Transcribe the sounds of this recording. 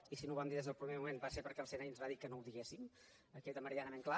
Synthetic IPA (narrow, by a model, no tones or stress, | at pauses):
isinoβamd̪iðezðəlˠpɾimemumenbaseɾpəɾkɛlˠsenainzβaðikənowðiɣesim | əkɛt̪əməɾianəmeŋkla